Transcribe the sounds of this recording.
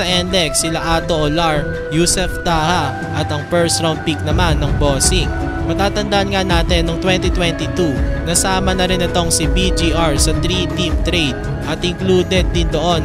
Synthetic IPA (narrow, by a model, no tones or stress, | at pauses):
ɐʔɛnd̪ɛksɪlaʔaːt̪o̞ʔolaɹ | jusɛft̪aːhɐ | ʔɐt̪ɐŋpɛɹsɾawn̚pik̚nɐmanːɐŋboːsɪŋ | mɐt̪aːt̪ɐnd̪ɐʔɐnŋanaːt̪ɛnːɐŋt̪wɛnt̪it̪wɛnt̪it̪unɐsaːmɐnɐɾɪnɪt̪o̞ŋsibid͡ʒiʔaɹsɐt̪ɾit̪imt̪ɾejd̪̚ | ʔɐt̪ʔɪŋkluːd̪ɛd̪̚ːɪnd̪oʔo̞n